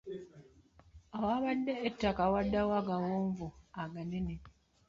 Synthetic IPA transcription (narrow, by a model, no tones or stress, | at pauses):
awaːβadːeːtːakawadːawaɡawoːɱvuaɡanene